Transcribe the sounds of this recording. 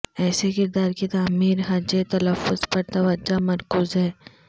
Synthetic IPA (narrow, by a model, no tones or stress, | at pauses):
ɛːsekɪɾd̪aːɾkit̪aːmiːɾɦɐd͡ʒet̪ɐləfːʊzpɐɾt̪ɐʋəd͡ʒːamɐɾkuːzɦɛː